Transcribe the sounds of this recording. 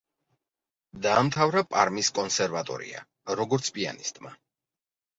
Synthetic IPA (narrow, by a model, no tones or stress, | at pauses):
d̪aːmt̪ʰavɾapʼa̰ɾmiskʼɔnsɛɾvat̪ʼɔ̰ɾḭa̰ | ɾɔɡɔɾt̪sʰpʼia̰nist̪ʼma